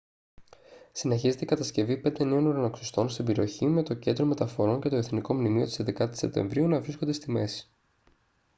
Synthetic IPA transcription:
sine̞çize̞t̪ekɐt̪ɐsce̞vipe̞nd̪e̞ne̞o̞nuɾɐnoksost̪o̞nst̪ibe̞ɾio̞çime̞t̪o̞ce̞nd̪ɾo̞me̞t̪ɐfo̞ɾo̞ɲce̞t̪oeθniko̞mnimio̞t̪ised̪e̞kɐt̪i̥sep̚t̪e̞̰ɱvɾiunɐvɾiskond̪e̞st̪ime̞si̥

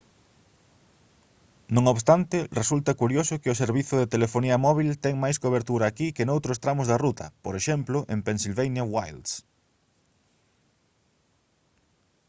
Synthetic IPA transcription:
nõŋoβst̪ant̪ɪresult̪ɐkuɾjosʊkɪʊseɾβiθʊðet̪elefoniɐmɔβ̞ilt̪ɛŋmajskoβ̞eɾt̪uɾɐːkikenowt̪ɾʊst̪ɾamʊzðarut̪ɐpoɾeʃɛmplʊʔempensilβejnjɐwajld̪s

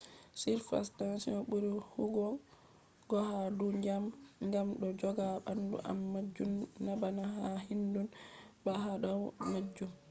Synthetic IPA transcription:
siɾfa̰stansinɔɓuɾihuɡɔ | ɡ̥ɔhaduɲd͡ʒamŋɡamɗɔd͡ʒɔɡaɓandṵʔa̰mːad͡ʒːunːabanaɦahindunbaɦaɗɔmad͡ʒːum

